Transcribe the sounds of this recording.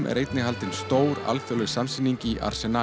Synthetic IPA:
mʔɛ̰ɾejt̪nɪɦalt̪ɪnst̪oːwɾa̰lfjɔlʏsamsinːiɲcɪʔa̰ɾ̥sɛna

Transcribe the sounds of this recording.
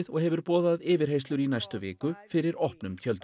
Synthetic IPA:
ðɔɣhɛvʏɾpɔːðaðɪːvɪɾ̥ɦejst̪lʏɾinajst̪ʏvɪ̰ːkʏfɪɾɪɾɔhpnʏmcʰœlt̪

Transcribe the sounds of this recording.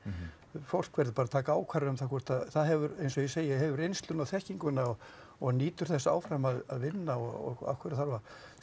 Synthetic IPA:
fowl̥kvɛɾðɪpaːɾat̪ʰaːkaaːwkʰvaɾʏʏmθakʰɔr̥t̪aðθaðɦɛvʏɾejnsɔjɛseːjɪɦɛvʏɾejnst̪lʏnawθɛhciŋkʏnːaɔ | ɔɣaniːt̪ʏɾ̥θɛsːaːwfɾamaðaðvɪnːaɔɣɔ̰ɣa̰fkʰɛɾaθaɾva

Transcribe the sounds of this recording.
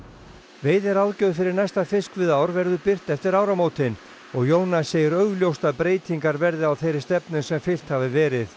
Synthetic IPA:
veːjðɛɾawðcœːðfɪɾɪɾnajst̪afɪskvɪðaːwɾvɛɾðʏpɪr̥t̪ɛft̪ɪɾaːwɾamoːwt̪ɪn | ɔɣjoːwnaseːjʏɾœɣljowst̪aðpɾeːjt̪ʰiŋkaɾvɛɾðɪawθejɾɪst̪ɛpnʏnsɛmfɪl̥t̪havɪvɛːɾɪθ

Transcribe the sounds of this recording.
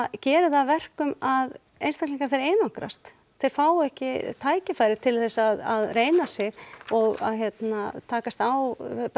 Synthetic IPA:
cɛːɾɪθavɛr̥kʏmað | ejnst̪akliŋkaɾ̥θejɾeːjnaŋkɾa̰st̪ | θejɾ̥faːwɛhcɪt̪ʰaːjcɪfajɾɪt̪ʰɪlθɛsːaðaðreːjnasjɛɣɔɣa̰ðçjɛt̪nat̪ʰaːkast̪aw

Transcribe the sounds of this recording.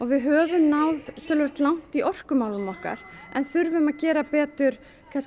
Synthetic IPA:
ɔɣvɪðɦœːvʏmnawðt̪ʰɪlvɛr̥t̪lawn̥t̪iʔɔr̥kʏmaːwlʏmɔhka̰ɾ̥ɛnθʏɾvʏmaðcɛːɾapɛːt̪ʏɾ̥ | kʰas

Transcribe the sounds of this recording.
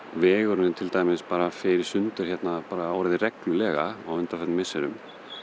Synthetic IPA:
vɛːɣʏɾnɪt̪ʰɪlt̪aːjmɪspaːɾafɪɾɪɾ̥sʏnt̪ʏɾ̥hçɛt̪napaːɾaawɾaðɪrɛklʏlɛːɣa̰a̰wʏnt̪afɛt̪nmɪsːɛɾʏm

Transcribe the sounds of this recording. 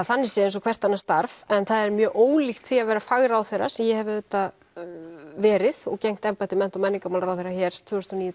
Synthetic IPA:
θanːɛɾsjɛẽjnsɔkʰvɛr̥t̪ːanːast̪aɾvɛnθaðɛɾmjœːʔoːwlixt̪θiavɛːɾafaɣɾawθejɾa̰sɛmjɛhɛvɪðʏt̪ːa | vɛːɾɪðɔɣcejŋ̥t̪ɛmpat̪ɪmɛn̥t̪ɔmɛnːiŋkamalɾawθejɾaçjɛːɾ̥t̪ʰvʏːɾʏ̥st̪ɔniːjʏ

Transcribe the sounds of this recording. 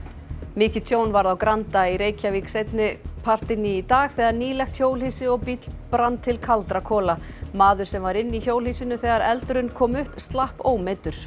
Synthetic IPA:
mɪːcɪt̪ʰjoːwnvaɾðawkɾant̪aiɾeːjcʰaviksejt̪nɪpʰar̥t̪ɪnːɪːt̪aːɣθɛːɣaɾniːlɛxt̪çjoːwliːsɪɔɣpit̪lpɾant̪ʰːɪlkʰalt̪ɾakʰɔːla | maːðʏɾ̥sɛmvaɾɪnːiçoːwlisɪnʏθɛːɣaɾɛlt̪ʏɾʏnkʰɔːmʏhpst̪lahpoːwmɛːt̪ʏɾ̥

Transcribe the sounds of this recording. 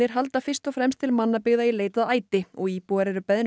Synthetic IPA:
ɪɾ̥ɦalt̪afɪr̥st̪ɔfɾɛmst̪ʰɪlmanːapɪɣðaileːjt̪aðaːjt̪ɪɔɣiːpuɣaɾɛɾʏpɛðɪn

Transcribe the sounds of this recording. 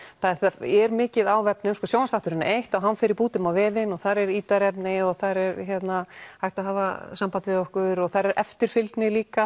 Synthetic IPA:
θaθɛɾmɪːcɪðaːwvɛpnʏmskɔsjoːwast̪aht̪ʏɾʏnːaʔejht̪awɦanːfɪːɾɪɾpuːt̪ɪmawvɛːvɪnɔɣθaɾɛɾiːt̪aɾɛpnɪɔɣθaɾɛɾçɛt̪nahajht̪aðɦaːvasampant̪vɪðɔhkʏɾɔɣθaɾɛɾʔɛ̰ft̪ɪɾ̥fɪlt̪nɪliːka

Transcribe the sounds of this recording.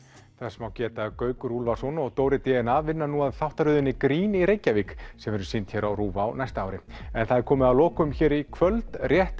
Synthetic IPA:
θɛsmawcɛːt̪akœːɥkɾulvasɔnɔɣt̪owɾɪt̪ɛɛnavɪnːanuaðθawht̪aɾʏðʏnːɪkɾiːniɾeːjcːaviksɛmvɛɾʏsint̪çɛɾawruːvaːwnajst̪aaːwɾɪɛnθaðɛɾkʰɔːmɪðawlɔːkʏmçɛːɾikʰvœlt̪rjɛht̪

